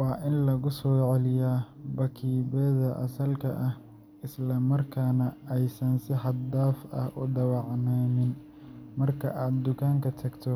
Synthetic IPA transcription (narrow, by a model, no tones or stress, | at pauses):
wɑːʔɪnlɐɣʊsɔːʕɛlɪjaːbɐkʰiːβɛːðɐʔɐ̰sɐlkʰɐ̰ʔɐh | ɪslɐmɐrkʰaːnɐɛjsɐnsɪħɑd̪aːfɐ̰hʔʊ̰ɖ̪ɐwɑʕnɛːmɪn | mɐrkʰɐ̰ʔaːd̪̚d̪ʊkʰaːŋkʰɐt̪ʰɐɡt̪ʰɔ